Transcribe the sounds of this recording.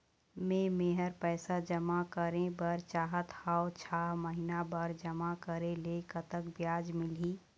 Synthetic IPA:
mẽmeːɦəɾpɛːsad͡ʒəmakəɾẽbəɾt͡ʃaːɦət̪haːot͡ʃʰaːɦməɦɪnabəɾd͡ʒəmakəɾẽlekət̪əkbjaːd͡ʒmɪliː

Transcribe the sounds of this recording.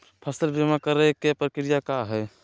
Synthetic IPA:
pʰasəlbʱemakəɾəɦkepɾəkɾijakaɦɛː

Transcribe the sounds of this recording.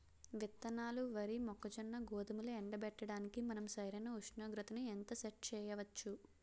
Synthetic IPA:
ʋit̪ːɐnaːluʋɐɾimɔkːɐt͡ʃɐnːɐɡɔːd̪ɐmulɐɛɳɖɐbɛʈːɐɽaːnikimɐnɐmsɐjɾɐnɐuʂnɐːɡɾɐt̪ɐnient̪ɐseʈ̚t͡ʃɛːjɐʋɐt͡ʃːu

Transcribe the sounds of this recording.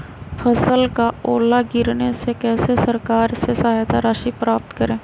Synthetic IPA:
pʰəsəlkaoːlaɡɪɾnesekɛːsesəɾkaːɾsesaɦajt̪aɾaːʃipɾaːp̚t̪kəɾẽː

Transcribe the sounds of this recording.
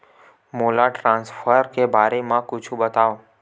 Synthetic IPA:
molaʈɾãnsfəɾkebʱaɾemãkʊt͡ʃʰũbət̪aʋo

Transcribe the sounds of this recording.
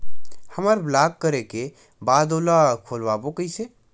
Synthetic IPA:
həməɾblaːkkːəɾeke | baːd̪oːlakʰoːlwaːbokəise

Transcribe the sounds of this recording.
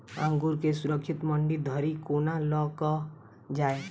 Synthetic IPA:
ãŋɡuːɾkesʊɾəkʰʃɪt̪məɳɖid̪ʱəɾikoːnalɔkə | d͡ʒaːe

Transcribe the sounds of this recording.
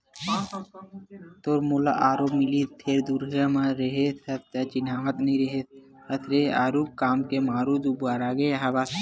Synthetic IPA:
t̪oːɾmola̰ʔaːɾoːbmɪlit̪ʰeːɾd̪uɾɦamãɾəɦet̪ʰət̪t̪at͡ʃinaːmət̪nɐɦĩɾəɦet̪ | ɐt̪ʰɾeaːɾuk̚kaːmkemaːɾud̪ubaːɾaɡeɦɐbas

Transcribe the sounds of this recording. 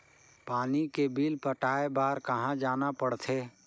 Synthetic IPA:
paːnikebiːlpəʈaːebaːɾkɐɦãd͡ʒaːnapəɽt̪ʰeː

